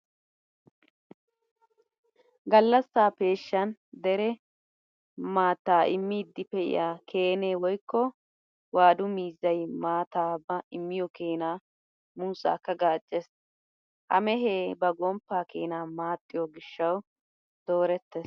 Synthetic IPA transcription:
ɡɐlːɐsːaːpe̞ːʃːɐnd̪ɛɾɛ | maːt̪ːaːʔɪmːiːd̪ːɪpɛʔɪ̰jaːkʰe̞ːneːwɔjkːɔ | waːd̪ʊmiːzːɐjmaːt̪aːbɐɪmːɪjɔkeːnaː | muːsa̰ːkːɐɡaːt͡ʃʼːes | ʔɐ̰mɛɦeːbɐɡɔmpːaːkḛːnaːmaːt̪ʼːɪjɔɡɪʃːɐw | d̪̥o̞ːɾɛt̪ːɛs

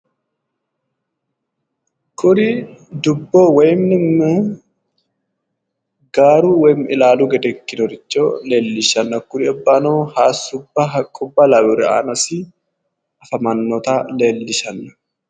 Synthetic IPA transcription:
kʰʊɾɪd̪ʊbːoːwɛjmnɪmː | ɡaːɾuːwɛmɪlaːluɡɛd̪ɛkːɪnɔɾɪt͡ʃːole̞ːlːɪʃɐnːɐkʊɾɪɐbːanoːhaːsːʊbːɐkʼʊbːɐlɐbʊɾɛa̰ːnɐsɪ | ʔɐfɐmɐnːɔt̪ale̞ːlːɪʃɐnːɐ̥

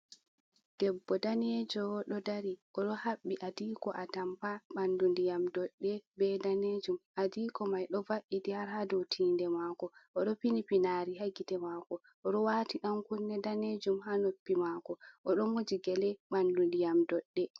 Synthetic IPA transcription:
d̥ɛbːɔdaned͡ʒɔwɗɔdaɾiʔɔɗɔhaɓːiʔadiːkɔʔatampaɓandundijamdɔɗːɛbɛdaned͡ʒumadikɔmajɗɔvaʔidiaɾhadɔtʰiːndɛmaːkɔʔɔɗɔpinipinaːɾiɦaɡitɛmaːkɔ | ʔɔɗɔwaːtiɗamkunːɛdaned͡ʒumhanopːimaːkɔʔɔɗɔmod͡ʒiɡɛlɛɓandundijamdɔɗːɛ

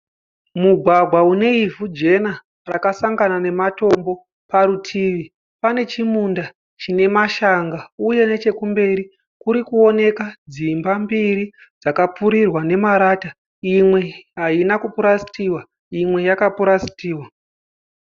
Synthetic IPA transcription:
muɡʱwaɡʱwaune̞ivud͡ʒe̞na | rakasaŋɡanane̞mato̞mbo̞ | paɾutʰiːʋi | pane̞t͡ʃimunda | t͡ʃine̞maʃaŋɡauje̞ne̞t͡ʃe̞kumbe̞ɾi | kuɾikuo̞ne̞kad͡zimbambiɾi | d͡zakapuɾirwane̞maɾaːta | imwe̞ɦainakupuɾasi̥tiwa | imwe̞jakapuɾasi̥tiːwa

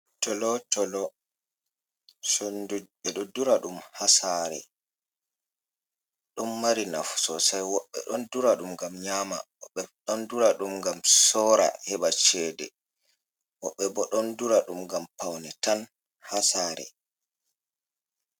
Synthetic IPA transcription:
tɔlɔtɔlɔ | sonduɓɛɗɔduɾaɗumhasaɾɛ̰ | ɗɔnːaɾina̰fsɔsajwɔɓːɛ̰ɗɔnduɾaɗumɡamɲaːma̰wɔɓːɛɗɔnduɾaɗumŋɡamsɔɾa̰hɛɓat͡ʃɛdɛ̰ | wɔɓːɛbɔɗɔnduɾaɗumɡampawnɛtan | hasaːɾɛ̰

